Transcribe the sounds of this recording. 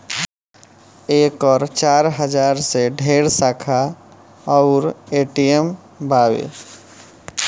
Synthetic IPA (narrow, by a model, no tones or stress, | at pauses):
ekɔɾt͡ʃaɾɦəd͡ʒaɾseɖʱeɽsakʰa | ɔʊɾeʈijem | bawḛ